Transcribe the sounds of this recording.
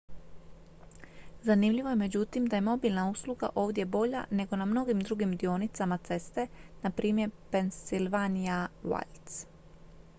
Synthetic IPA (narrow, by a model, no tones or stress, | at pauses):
zanimʎiʋo̞je̞me̞d͡ʑut̪imd̪aje̞mo̞bilˠnausluɡa̰ʔo̞ːʋd̪je̞bo̞ʎa̰ne̞ɡo̞namno̞ɡimd̪ɾuɡimd̪io̞nit̪samat̪se̞st̪e̞napɾʔiːmje̞ɾpe̞nsilʋanijawa̰lt̪s